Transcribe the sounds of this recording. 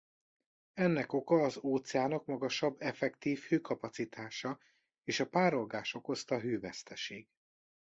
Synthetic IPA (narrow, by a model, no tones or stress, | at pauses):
ɛnːɛko̞kɒːzoːt̪sɛaːnɒkmɒɡɒʃɒbːɛfɛkt̪iːfhøːkɒpɒt̪sit̪ʰaːʃɒ | eːʃɒpaːɾo̞lɡaːʃo̞ko̞st̪ɒɦøːvɛst̪ɛʃeːɡ̥